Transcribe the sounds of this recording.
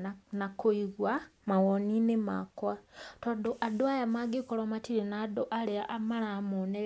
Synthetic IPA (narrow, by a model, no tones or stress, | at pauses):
nakoiɣwamawoninema̰kwatodoʔadoajamaɡekolomatiɾenadoʔaleaʔamalamonee